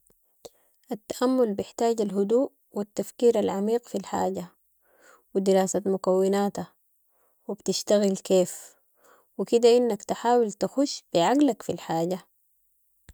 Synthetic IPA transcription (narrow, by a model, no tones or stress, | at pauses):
ʔat̪ːaʔamːʊlbɪħt̪aːɟalɦud̪uːʔ | wit̪ːafkiːɾalʕamiːqfilħa̰ːɟa | wid̪iɾaːsamʊkawːinaːt̪a | wibt̪iʃt̪aɣilkeːf | wikid̪aʔinːakt̪aħaːwilt̪axuʃb̥iʕaɡlakfilħaːɟa